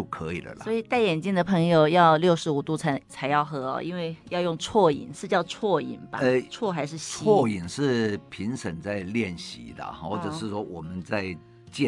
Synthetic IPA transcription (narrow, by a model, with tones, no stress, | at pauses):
o˥˩kʰɤ˧˦˥i˨˩lə̰˨lswɔ˧˥i˨˩t̪a˥˩ɪjɛ˨˩nt͡ɕi˥˩ŋd̪ə˩pʰɤ˧˥ŋjo˨˩ʊjɑ˥˧ʊljo˥˩ʊʂɻ̩˧˥u˨˩t̪u˥˩t͡sʰa˧˥ɪt͡sʰa˧˥ɪjɑ˥˩ʊxɤ˧˥ɔ̰˧ʔḭ˥nwe˥˧ɪjɑ˥˧ʊjʊ˥˧ŋt͡sʰwɔ˥˩ḭ˨˩nʂɻ̩˥˧t͡ɕjɑ˥˧ʊt͡sʰwɔ˥˩ḭ˨˩nbɐ̰˦ɛ˥˧t͡sʰwɔ˥˩xa˧˥ɪʂɻ̩˥˧ɕt͡sʰi˧˥wɔ˥˩i˨˩nʂɻ̩˥˩˧pʰi˧˥ŋʂə˨˩ŋt͡sa˥˧ɪljɛ˥˩nɕḭ˧˥d̪ə̰˧xwɔ˥˩ʈ͡ʂɤ˨˩ʂɻ̩˥˩ʂwɔ˥wɔ˨˩mə˦nt͡sa˥˧ɪ | t͡ɕɛ˥˨